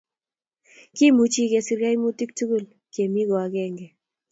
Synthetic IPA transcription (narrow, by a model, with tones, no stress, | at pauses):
ki˦mu˨t͡ʃi˦ke˨si˨ɾja˦jmu˦ti˦k̚tu˦ɡu˦˨l | ke˨mi˦ɣɔ˨a˨kɛ˦˨ŋɡɛ˨